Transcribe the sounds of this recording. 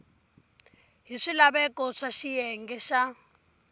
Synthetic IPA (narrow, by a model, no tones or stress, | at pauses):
ɦiʂilaβɛkɔʂaʃijɛŋɡɛʃa